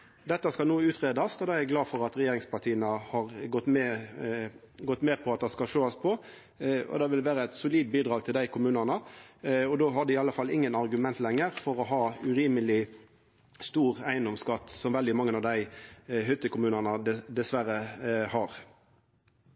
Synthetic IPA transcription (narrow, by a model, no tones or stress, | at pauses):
d̪ɛt̪ːəskɑlnuːʉːt̪ʰʁeːd̪ɑsɔd̪ɑæɡlɑːfɔʁɑt̪ʁɛjeːɾɪŋspɑʈ̪ʰiːənəhɑʁɡɔt̪ːmɛ | ɡɔt̪ːmeːpʰɔɑt̪̚d̪ɛskɑlʃoːɑspʰɔ | ɔ̰d̪ɑːʋɪlʋæːɾəæɪt̪sʊliːd̪̚biːd̪ʁɑːɡ̚t̪ʰɪld̪æɪkʰʊmʉːnɑnə | ɔd̪oːɦɑʁd̪ɛɪɑlːəfɑlːɪŋːənɑʁɡʉmɛnt̪lɛŋːəʁfɔʁɔɦɑːʉɾiːməlɪ | st̪uːʁæɪənd̪ɔmskɑt̪ːsɔmʋɛld̪ɪmɑŋːənɑʋd̪æɪɦʏt̪ːəkʰʊmʉːnɑnəd̪d̪ɛsʋæɾəhɑʁ